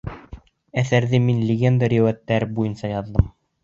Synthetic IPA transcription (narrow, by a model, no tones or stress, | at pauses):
æθæɾðɘminlʲɪɡʲend̪aɾewæt̪ːæɾbujɤnsɑjɑðːɤm